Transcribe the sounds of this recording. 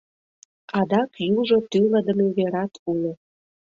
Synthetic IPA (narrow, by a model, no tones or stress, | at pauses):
ɑd̪ɑkjuʒot̪yləd̪ə̆meβeɾɑt̪ulo